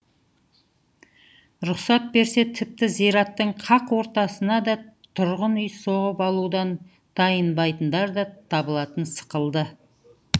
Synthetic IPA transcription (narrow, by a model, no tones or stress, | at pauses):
ɾʊqsɑt̪̚be̞ɾse̞t̪ʰɪp̚t̪ɪzijɾɑt̪ːəɴqʰɑqwo̞ɾt̪ɑsənɑd̪ɑt̪ʰʊɾʁənʏjso̞ʁəpɑlˠud̪ɑn | d̪̥ɑjənbɑjt̪ənd̪ɑɾd̪ɑt̪ʰɑbəlˠɑt̪ənsə̥qəlˠd̪ə